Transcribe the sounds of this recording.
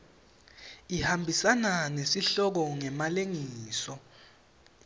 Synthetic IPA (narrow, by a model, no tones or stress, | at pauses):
ihambʱisananesiɬɔk̬ɔŋɛmaleŋiːsɔ